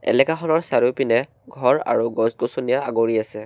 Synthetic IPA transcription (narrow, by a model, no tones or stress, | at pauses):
ɛ̰lɛkaxɔnɔɹsaɹupinɛ | ɡʱɔɹa̰ɹuɡɔsɡosonijaaɡoɹiasɛ